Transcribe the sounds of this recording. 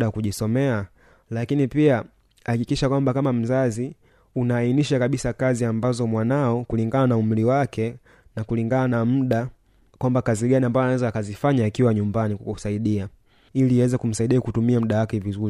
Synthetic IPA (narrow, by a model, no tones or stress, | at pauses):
ɗakuʄisɔmɛa | lakinipia | hhakikiʃakwambakamam̩zazi | unaːiniʃakaɓisakaziambazɔmwanaɔkuliŋɡananaumliwakʰɛ | nakuliŋɡananam̩ɗa | kwambakaziɠaniambajɔnawɛzaːkazifaɲaːkiwaɲumbanikkusaiɗia | iliwɛzɛkum̩saiɗiakutumiam̩ɗawakɛvizuɾi